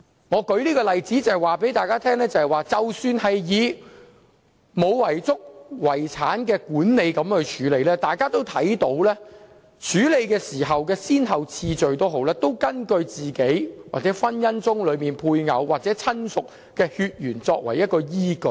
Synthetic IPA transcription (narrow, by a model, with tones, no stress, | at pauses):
ŋɔː˨˧kɵ˨˥liː˥kɔː˧lɐ˨jt͡siː˨˥t͡sɐ˨hɛ˨jwaː˨˩pe˨˥jt̪aː˨˧jkaː˥t̪ʰɛː˥ŋlɛː˥t͡sɐ˨˧hɐ˨˩jwaː˨t͡sɐ˨wsyː˧nhɐ˨jjiː˨˧ | mo˨˧wwɐ˨˩jt͡sʊ˥k̚wɐ˨˩jt͡sʰaː˨˥nkɛː˧kuː˨˥nne˨˧jkɐ˨˥mhɵ˨˧t͡ʃʰyː˨˥le˨˧jlɛː˥t̪aː˨jkaː˥t̪o˥wt̪ʰɐ˨˥jt̪o˨˥wlɛː˥ | t͡ʃʰyː˨˥le˨˧jkɛː˧siː˨˩ɦɐ˨wkɛː˧siː˥nɦɐ˨wt͡sʰiː˧t͡ʃɵ˨ɥt̪o˥wɦo˨˥wlɛː˥t̪o˥wkɐ˥nkɵ˧ɥt͡siː˨ke˨˥jwaː˨˩t͡sɛ˨˥fɐ˥njɐ˥nt͡sʊ˥ŋlɵ˨˧ɥmiː˨˩npʰuː˧jŋɐ̰˨˧wwːaː˨k̚t͡sɛː˨˥t͡sʰɐ˥nsʊ˨k̚ | kɛː˧hyː˧t̚jyː˨˩nt͡sɔː˧k̚wɐ˨˩jɐ˥t̚kːɔː˧jiː˥kɵ˧˩